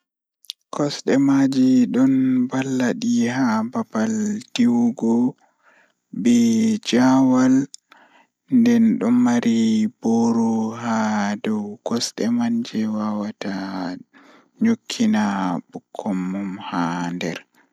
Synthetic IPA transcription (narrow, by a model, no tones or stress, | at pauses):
kɔsɗɛmad͡ʒiɗɔnbalːaɗihabapaldiwɡɔ | bɛd͡ʒawal | ndɛnɗɔmmaɾʔiboɾɔhadɔwkɔsɗɛmaɲd͡ʒɛwawata | ɲokʰːinabukʰːɔmːumhandɛ̰ɾ